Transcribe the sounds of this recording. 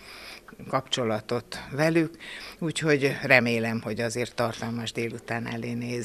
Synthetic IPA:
kɒpt͡ʃo̞lɒt̪o̞t̪ʋɛlykuːcho̞ɟrɛmeːlɛmho̞ɟɒzeːrt̪ːɒrt̪ɒlmɒʒd̪eːlut̪aːnɛ̰leːneːz

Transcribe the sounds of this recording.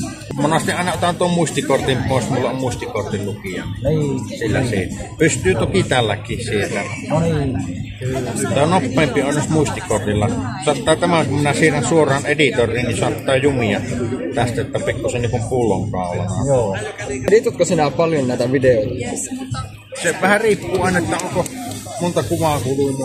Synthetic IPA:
monɑst̪iʔɑˑenɑot̪ɑnt̪uommuist̪ikort̪impoˑesmulːeʔʔommuist̪ikort̪illukiɑ̰silːæ̰siːpyst̪ˑyːt̪okit̪ælːækːˑiːssielːæni | t̪ːænopːeːmpionnosmuist̪ikort̪ilːɑsɑt̪ːˑɑˑːt̪æmækumminæsiːrænsuorˑɑːnʔedit̪orˑiːnninsoɑt̪ːɑːjumiɑt̪æst̪æot̪ːɑpikːusenniŋkumpulːˑo̰ŋkɑˑolɑ̰nɑ̰joːedit̪ot̪̚kosinæpɑljonnæˑit̪æʋideoˑjtisi | seʋæhæriːpːuːɑˑenɑet̪ːæoŋko | mont̪ɑkuʋɑˑkulun

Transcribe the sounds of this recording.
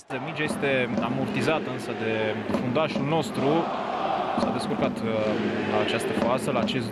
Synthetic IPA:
əmid͡ʒaje̞st̪e̞amurt̪izat̪əɨnsəd̪e̞fund̪aʃulno̞st̪ɾu | sa̰d̪e̞skurkat̪ | at͡ʃast̪əfoasəlaːt͡ʃe̞s

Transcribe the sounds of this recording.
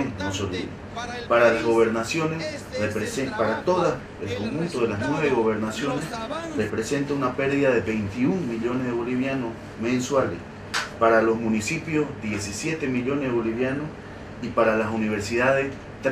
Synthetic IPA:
mosolḭβ | paɾalaɦɣo̞βe̞ɾnasjo̞nesresepaɾat̪o̞ðas | elkomxũnt̪oð̞elaɦnweβeɣo̞βe̞ɾnasjo̞nesrepɾese̞nt̪aunape̞ɾðiðaðeβe̞jnt̪iuŋmiʎo̞nezðeβo̞liβjanos | mẽnswalḛs | paɾalo̞smũnisipjo̞zðje̞s̬isjet̪emiʎo̞neɦðeβo̞liβjanos | ipaɾalasuniβeɾsiðaðes | t̪

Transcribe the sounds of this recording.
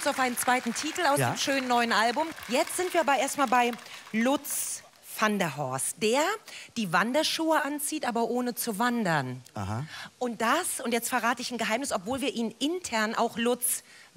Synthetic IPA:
ʊnsaʊfʔaɪnənt͡sv̥aɪtn̩tʰiːtl̩aʊsdemʃøːnənːɔʏənʔalbʊmjɛt͡stz̥ɪntv̥iːɐaːbɐʔeːɐstmaːlbaɪlʊt͡s | fandɐɦɔɐstd̥eːɐd̥iːvandɐʃuːəʔant͡siːtʔaːbɐʔoːnət͡suvandɐnahaʔʊnt̚d̥asʊntjɛt͡stfɛɐʁaːtəɪçn̩ɡəɦaɪmnɪsɔpv̥oːlviːɐʔiːnɪntʰɛɐnʔa̰ʊxlʊt͡s

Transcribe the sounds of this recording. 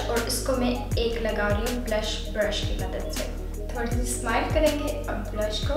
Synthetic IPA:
ɔːɾɪskomẽeːklɐɡaːɾiõblɐʃ | bɾɐʃkimɐd̪əd̪sḛ | t̪ʰoːɽisismaːɪlkɐɾẽːŋɡe | ɐbblɐʃko

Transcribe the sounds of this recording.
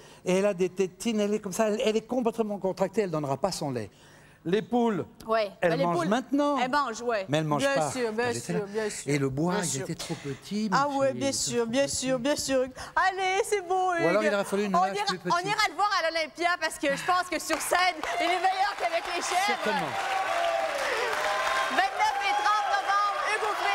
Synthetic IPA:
eɛlad̪et̪ɛt̪inɛlɛkɔmsaɛlɛlɛkɔ̃plɛt̪mɑ̃kɔ̃t̪χak̚t̪eɛld̪ɔ̃nʁapasɔ̃lɛ̰ | lepulwɛɛllmɑ̃uʒlmɛ̃t̪nɑ̃ɛlmɑ̃ʒwɛmɛɛlmɑ̃ʒjɛ̃pasyːʁbjɛ̃ɛʁbjɛ̃seləbwaiet̪ɛt̪χopət̪ʰimawɛbjɛ̃syːʁbjɛ̃syʁbjɛ̃syʁalesɛbõyalɔʁilɔʁɛfalynɔ̃iʁɔ̃niʁaləvwaʁalɔlɛ̃pjapaʁsə̥kəʒəpɑ̃skəsyʁsɛnilɛmɛjœʁkavɛkleʃɛɛvɔmɑ̃ | vɛ̃t̪nœfet̪χɑ̃t̪̚nɔvɑ̃bʁekũke

